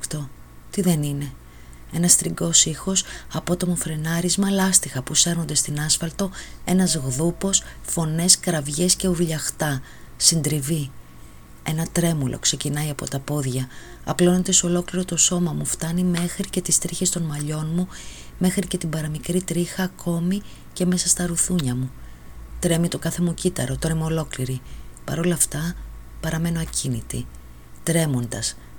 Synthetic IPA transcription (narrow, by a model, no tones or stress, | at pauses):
kt̪o | t̪iðe̞nine̞ | e̞nɐst̪ɾiɡo̞sixo̞sɐpo̞t̪o̞mofɾe̞nɐɾizmɐlɐst̪ixɐpuse̞ɾnond̪e̞st̪inɐsfɐlt̪o̞e̞nɐzɣðupo̞sfo̞ne̞skɾɐvʝe̞sce̞uɾʎɐxt̪ɐ | sind̪ɾivi | e̞nɐt̪ɾe̞mulʔo̞̰kse̞cinɐiɐpo̞̰t̪ɐpo̞ðʝɐː | plo̞nod̪eso̞lo̞kliɾo̞t̪o̞so̞mɐmuft̪ɐnime̞xɾice̞t̪ist̪ɾiçest̪o̞nmɐʎo̞nmume̞xɾice̞t̪ibɐɾɐmikɾit̪ɾixɐːkʰo̞mi | ce̞me̞sɐst̪ɐɾuθuɲɐmut̪ɾe̞mit̪o̞kɐθe̞mucit̪ɐ̰ɾo̞t̪oɾɐmuolo̞kliɾipɐɾo̞lɐːft̪ɐ | pɐɾɐme̞noɐcinit̪i | t̪ɾe̞mo̞nd̪ɐs